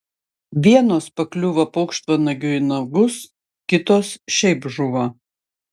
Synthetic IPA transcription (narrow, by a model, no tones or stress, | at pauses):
ʋʲiɛnoːspɐklʲuʋɐpɐʊkʃt̪ʋɐnɐɡʲʊɪnɐɡʊs | kʲɪt̪oːsʃʲɛɪbʒʊʋɐ